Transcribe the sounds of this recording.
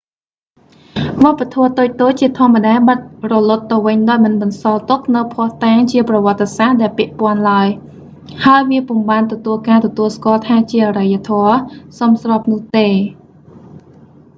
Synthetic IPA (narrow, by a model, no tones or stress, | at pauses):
ʋŏəpːat̪ʰɔət̪oːc̚t̪oːc̚t͡ɕiət̪ʰŏəmːəɗaːɛɓat̪̚rɔlʊt̪ːɨwʋɨɲɗaɔjmɨnɓɑnsɑlt̪ʊk̚nɨwpʰŏəht̪aːŋt͡ɕiəprɑʋŏət̪ːesahɗaɛlpɛ̆əʔpŏənlaəj | haəjʋiəpuəŋɓaːnt̪ɔt̪uəlkaːt̪ɔt̪uəlskŏəlt̪ʰaːt͡ɕiəʔarəjːət̪ʰoəsomsrɑ̆p̚nʊ̆əht̪eː